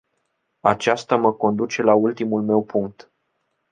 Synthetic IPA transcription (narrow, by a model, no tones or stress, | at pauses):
at͡ʃast̪aməko̞nd̪ut͡ʃe̞lault̪imulme̞wpuŋk̚t̪